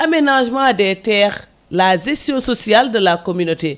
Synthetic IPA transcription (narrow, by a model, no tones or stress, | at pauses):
amenaʒmãdɛtɛːʁ | lazestjɔ̃sosialdəlakomynote